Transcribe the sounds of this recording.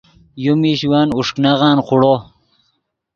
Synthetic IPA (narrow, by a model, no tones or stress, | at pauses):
jumiɕiwaːnuʂknaʁɑːnquɽoː